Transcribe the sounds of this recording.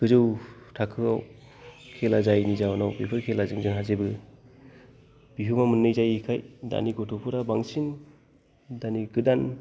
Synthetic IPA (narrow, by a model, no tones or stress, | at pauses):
ɡ̥ɯzɯwtʰakʰɯawkʰelazajnizawnawpipʰɯɾkʰelazɯŋzɯŋɦazebɯ | b̥iɦɯmamɯnːɯjzajikʰajda̰niɡɔtʰɔpʰɯɾabaŋsin | daniɡɯdan